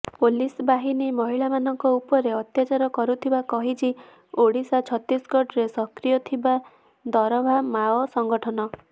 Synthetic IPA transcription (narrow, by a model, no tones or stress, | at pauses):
polisbaɦinimɔɦiɭamanɔŋkɔupɔɾeɔt̪jat͡ʃaɾɔkɔɾut̪ʰibakɔɦit͡ʃʰi | oɽisat͡ʃʰɔt̪isɡɔʈɾesɔkɾijɔt̪ʰiba | d̪ɔɾɔbʱamaɔsɔŋɡɔʈʰɔnɔ